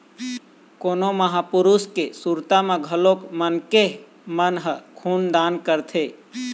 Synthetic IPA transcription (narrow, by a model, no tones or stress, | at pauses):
koːnoməɦapʊɾuskesuɾt̪amẽɡʱəlokmənke | mənɦəkʰuːnd̪aːnkəɾt̪ʰeː